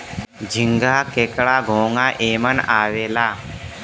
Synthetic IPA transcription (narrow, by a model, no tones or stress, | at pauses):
d͡ʑʱiŋɡakeːkɭaɡʱoːŋɡaʔeːmənaːʋeːla